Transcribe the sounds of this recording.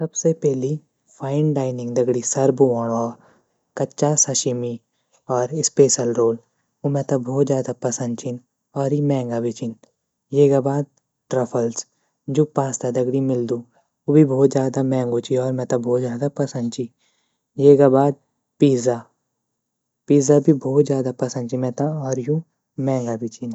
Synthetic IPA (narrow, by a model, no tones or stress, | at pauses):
sɐbsepɛɦli | pʰaːɪnɖaːɪnɪ̃ŋɡd̪ɐɡɽisɐɾbuʋaːɽɔːɾ | kɐtːt͡ʃʃasɐʃɪmi | ɔːɾɪspeːʃəlɾoːl | omɛ̃t̪abʱɔːt̪zjaːd̪apɐsə̃nd̪t͡ʃɪn | ɔːɾimɛ̃ːŋɡabʱit͡ʃɪn | jeːɡabaːd̪̚ | ʈɾɐpʰəls | d͡ʒoːpaːst̪ad̪ɐɡɽimɪld̪ũː | obʱibʱɔːt̪zjaːd̪amɛ̃ːŋɡot͡ʃiɔːɾmɛ̃ːt̪abʱɔːt̪zjaːd̪apɐsə̃nd̪̚t͡ʃi | jeːɡabaːd̪̚ | piːza | piːzabʱibʱɔːt̪zjaːd̪apɐsə̃nd̪t͡ʃimɛ̃ːt̪ãɔːɾjũ | mɛ̃ːŋɡabʱit͡ʃin